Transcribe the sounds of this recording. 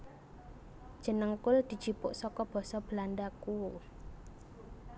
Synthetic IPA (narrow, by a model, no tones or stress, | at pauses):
d̥ʒ̥ə̤nəŋkʊld̪̥i̤̥d͡ʒ̥ipʊʔsɔkɔb̥ɔ̤sɔb̥əlandaku